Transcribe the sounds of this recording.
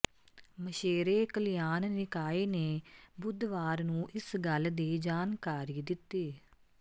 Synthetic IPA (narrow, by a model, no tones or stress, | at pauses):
məʃeːɾeːkəlijaːnnɪkaːeːneːbʊd̪ʋaːɾnũːʔɪsɡəld̪eːd͡ʒaːnkaːɾiːd̪ɪt̪ːiː